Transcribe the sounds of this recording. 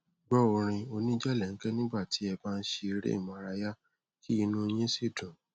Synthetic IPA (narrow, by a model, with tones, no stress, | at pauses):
ɡ͡bɔ˦o˧ɾ̃ĩ˧o˧nĩ˦d͡ʒɛ˦˨lɛ˨ŋ̩˦kɛ˦nĩ˦ba˦˨ti˨˦ɛ˧baː˦˧n̩˦ʃe˧i˧ɾḛ˦ḭ˦˨mã˧ɾa˧ja˦ | kʰi˦i˧nũ˦j̃ĩ˦si˦˨dũ˨